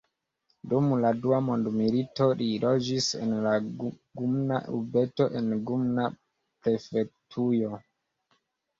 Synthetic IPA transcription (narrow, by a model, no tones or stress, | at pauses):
dumladuamondmilito̞lilod͡ʒisḛnla | ɡumnaʔubetoʔenɡumna | pɾefek̚tʰujo